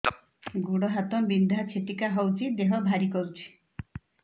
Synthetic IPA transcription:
ɡuɽɔɦat̪ɔbind̪ʱat͡ʃʰet̪ikaɦɔwt͡ʃʰid̪eɦɔbʱaɾikɔɾut͡ʃʰi̥

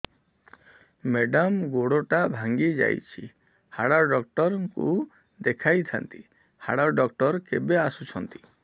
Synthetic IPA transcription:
meɖɔmɡoɽoʈabʱaŋɡid͡ʒa̰jt͡ʃʰi | haɽaɖɔk̚ʈɔɾɔŋku | d̪ekʰajt̪ʰa̰nt̪i | ha̰ɽaɖɔkʈɔɾkebeasut͡ʃʰɔnt̪i̥

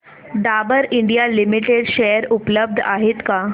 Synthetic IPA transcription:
ɖabəɾiɳɖijalimiʈeɽɕejəɾupləb̚d̪ʱaɦet̪ka

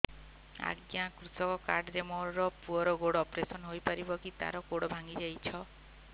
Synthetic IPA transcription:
a̰ɡjakɾut̪ɔkɔkaɾɖɾemɔɾɾɔpuɔɾɔɡoɽɔɔpɾesɔnɦojpaɾibɔkit̪a̰ɾɔɡoɽɔbʱaŋɡid͡ʒajt͡ʃʰɔ

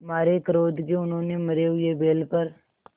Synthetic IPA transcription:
ɦɐmaːɾekəɾoːd̪keʊnɦõːnemɐɾeɦʊebeːlpɐɾ

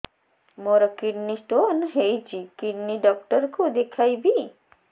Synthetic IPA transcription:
moɾɔkiɖnisʈonɦejt͡ʃikiɖniɖɔk̚ʈəɾkod̪ekʰajbʱi

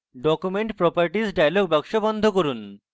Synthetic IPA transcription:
ɖɔkumeɳʈpɾɔpaɾʈizɖajloɡ̚bɛkʃobɔnd̪ʱok̬oɾun

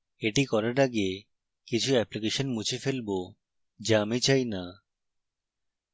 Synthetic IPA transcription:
eʈikɔɾaʈaɡe | kit͡ɕʰuɛplik̬eʃonmut͡ɕʰefelbo | d͡ʑamit͡ɕajna

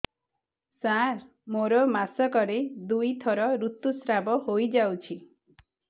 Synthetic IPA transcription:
sãɾ | moɾɔmasɔkɔɾed̪ujt̪ʰɔɾɔɾut̪usɾabɔhojd͡ʒawt͡ʃʰi

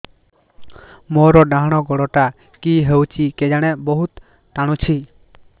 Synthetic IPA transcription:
mɔɾɔɖaɦɽ̃ɔɡɔɽɔʈa | kiɦewt͡ʃʰiked͡ʒaɽ̃ɛbɔɦut̪ː | aɽ̃ũt͡ʃʰi

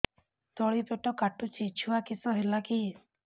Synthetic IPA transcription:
t̪ɔɭipeʈɔkaʈut͡ʃʰit͡ʃʰuakisɔɦelaki

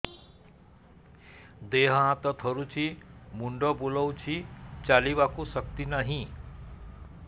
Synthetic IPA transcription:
d̪eɦʌãt̪ʌt̪ʰʌɾut͡sʰimuɳɖʌbulʌwt͡sʰit͡salibakusʌk̚t̪inʌɦĩ

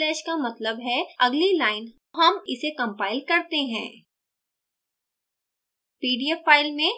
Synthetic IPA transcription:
ɛːʃkamɐt̪ləbɦɛɐɡlilaːɪn | ɦɐmɪsekɐ̃mpaːɪlkɐɾt̪eɦɛ̰̃ː | piːɖijɛpʰːaːɪlmẽ

